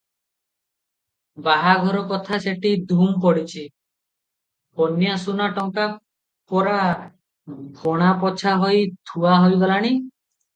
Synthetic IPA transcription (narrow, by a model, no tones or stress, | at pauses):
baɦaɡʱɔɾɔkɔt̪ʰaseʈid̪ʱumpɔɽit͡ʃʰi | ponjasunaʈɔŋka | pɔɾa | bʱoɽ̃apɔt͡ʃʰaɦɔjt̪ʰuaɦojɡɔlaɽ̃i